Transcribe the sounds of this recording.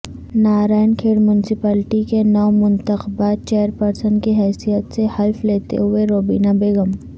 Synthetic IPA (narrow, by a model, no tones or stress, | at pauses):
naːɾaːɪnkʰeːɽmjʊnɪsɪpaːlɪʈikenɔːmʊ̃nt̪əxbaːt̪̚t͡ʃeːəɾpəɾsənkiɦɛːsijət̪sehɐlfleːt̪ḛɦʊeɾoːbḭːnabeːɡəm